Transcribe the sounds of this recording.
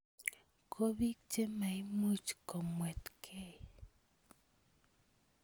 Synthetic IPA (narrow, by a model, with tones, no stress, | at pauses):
kʰo˦bi˦k̚t͡ʃe˦ma˨i˦mu˦t͡ʃkɔ˨mwɛ˨t̪kʰɛ˦